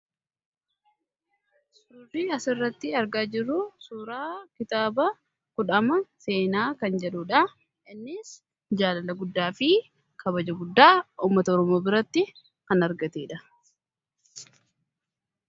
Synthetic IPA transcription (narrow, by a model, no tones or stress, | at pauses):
sʊɾʊɾiːɐsɪrːɐt̪ːɪɐɾɡaːd͡ʒɪrːʊsuːɾaːkɪt̪aːbɐ | kʊᶑɐmɐse̞ːnaːkɐnd͡ʒɛluːᶑɐ | ɪnːɪs | d͡ʒaːlɐlɐɡʊd̪ːaːfɪ | kʰɐbɐd͡ʒɐɡʊd̪ːaːuːmːɐt̪ɐɔɾɔmoːbɪɾɐt̪ːɪ | kɐnɐɾɡɐt̪eːᶑɐ